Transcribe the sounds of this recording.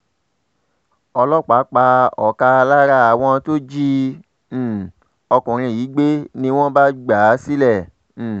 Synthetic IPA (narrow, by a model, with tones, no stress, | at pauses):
ɔ˧lɔ˦k͡pa˨˦k͡pa˧ɔ̰˨ka˧la˦ɾa˧a˨w̃ɔ̃˧to˦d͡ʒi˦˨ | ɔ˧kũ˨ɾ̃ĩ˧˨jiː˨˦ɡ͡be˦nĩ˧w̃ɔ̃˦ba˦ɡ͡ba˨˦si˦lɛ˦˨